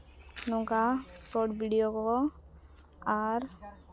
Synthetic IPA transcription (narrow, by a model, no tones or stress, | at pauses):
nɔŋkasɔʈbʱiɖijokɔkɔ | aɾ